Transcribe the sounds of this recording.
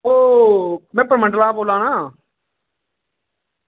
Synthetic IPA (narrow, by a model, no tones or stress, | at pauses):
oː | mɛ̃ːpəɾmə̃ɳɖəlaːboːlãːnãː